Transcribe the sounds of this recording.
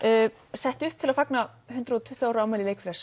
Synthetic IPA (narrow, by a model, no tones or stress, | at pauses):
œː | sɛht̪ʏhp̚t̪ʰɪlaðfakna | hʏnt̪ɾʏðɔt̪ʰʏht̪ʏawɾʏaːwmajlɪlejkflɛs